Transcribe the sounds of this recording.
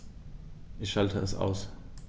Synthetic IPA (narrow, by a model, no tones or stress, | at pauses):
ʔɪçʃaltʰəɛsʔa̰ʊs